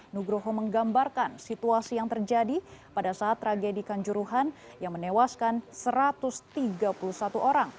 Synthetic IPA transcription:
nuɡɾoɦoməŋɡambarkansit̪uasijaŋt̪ərd͡ʒadipadasaːt̪ːɾaɡedikaɲd͡ʒuɾuɦan | jaŋmənewaskansəɾat̪ust̪iɡapuluhsat̪uʔoɾaŋ

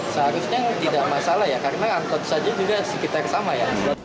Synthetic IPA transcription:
səɦaɾusɲat̪idaʔmasalaɦjakaɾəmaaŋkɔt̪̚sad͡ʒad͡ʒuɡasəkit̪arsamajasəda

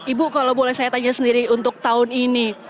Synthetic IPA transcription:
ʔibukalobolɛhsajat̪aɲasəndiɾiunt̪ʊk̚t̪aʊnini

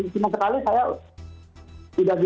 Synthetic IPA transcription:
sinasəkalisaja | t̪idakd

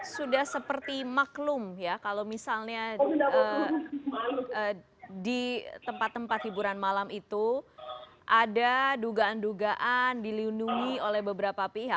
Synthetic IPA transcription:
sudahsəpərt̪imaklʊmjakalowmisalɲa | ə | dit̪əmpat̪ːəmpat̪hibuɾanmalamit̪u | ʔadaduɡaːnduɡaʔandilinuŋiolɛhbəbəɾapapiɦa

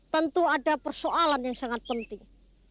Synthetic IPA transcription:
t̪ənt̪uadapərsoʔalanjaŋsaŋat̪̚pənt̪ɪŋ

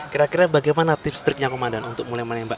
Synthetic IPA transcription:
kiɾakiɾabaɡajmanat̪ɪfst̪ɾɪk̚ɲakomandanunt̪ʊk̚mulajmənɛmbaʔ

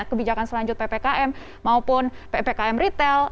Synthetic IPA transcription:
kəbid͡ʒakansəlaɲd͡ʒʊt̪̚pepekaʔɛm | maupʊnpepekaɛmrit̪ɛl

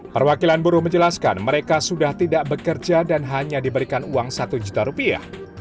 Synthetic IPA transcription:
pərwakilanbuɾʊhməɲd͡ʒəlaska̰nməɾekasudaht̪idaʔbəkərd͡ʒadanɦaɲadibəɾikanuaŋsat̪ud͡ʒut̪aɾupia̰h

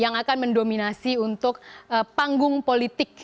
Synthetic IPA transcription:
jaŋakanməndominasiunt̪ʊkəpaŋɡʊŋpolit̪ɪk̚

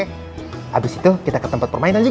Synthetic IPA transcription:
ʔabɪsit̪ukit̪akət̪əmpat̪̚pərmaɪnand͡ʒu

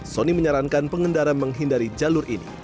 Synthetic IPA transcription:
soniməɲaɾaŋkanpəŋəndaɾaməŋɦindaɾid͡ʒalʊrʔḭnḭ

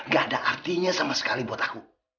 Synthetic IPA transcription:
ŋɡaadaʔːrt̪iɲasamasə̥kalibuat̪aku

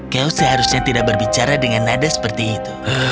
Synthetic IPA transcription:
kawsəɦaɾusɲat̪idak̚bərbit͡ʃaɾadəŋanadasə̥pərt̪iːt̪u

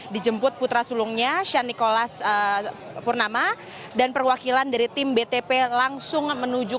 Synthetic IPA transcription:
did͡ʒəmpʊt̪̚put̪ɾasulʊŋɲaʃanikolasə | pʊrnama | danpərwakilandaɾit̪ɪmbet̪epelaŋsʊŋmənud͡ʒʊ

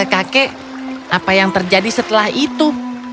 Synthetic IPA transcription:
əkakɛ | ʔapajaŋt̪ərd͡ʒadisət̪əlahit̪u

